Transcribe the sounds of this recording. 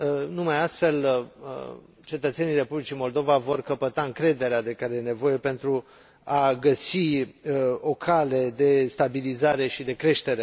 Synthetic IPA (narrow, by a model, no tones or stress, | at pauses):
numajast̪fe̞l | t͡ʃe̞t̪ət̪se̞nijre̞publit͡ʃimo̞ld̪o̞vavo̞rkəpət̪aɨŋkɾe̞d̪e̞ɾead̪e̞kaɾe̞je̞ne̞vo̞je̞pe̞nt̪ɾu | aɡəsi | o̞kʰale̞d̪e̞st̪abilizaɾe̞ʃid̪e̞kɾe̞ʃt̪e̞ɾe